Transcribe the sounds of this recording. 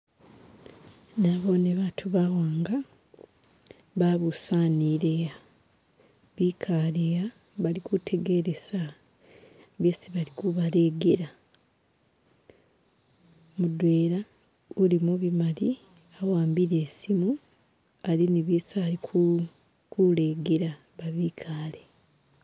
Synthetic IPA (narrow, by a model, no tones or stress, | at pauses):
naβoːneβaːtʰuβawaːŋɡa | βaβusaːniɾea | βiːkʰaːleja | βalikutʰe̞ɡe̞ɾe̞sa | βjesiβalikuβale̞ːɡeɾa | mudwe̞ːɾa | ulimuβimali | awaːmbiɾe̞ːsimu | aliniβjiːsalikʰu | kuleːɡeɾa | βaβikʰaːle